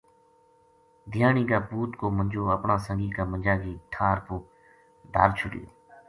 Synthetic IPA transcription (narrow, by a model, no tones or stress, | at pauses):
d̪ʱɪjaːɳiːkaːpuːt̪koːməɲʲd͡ʒoːəpɳãːsəŋɡiːkaːmənd͡ʒaːɡiːʈʰaːɾpoː | d̪ʱa̰ːɾt͡ʃʰʊɗḭːo̰ː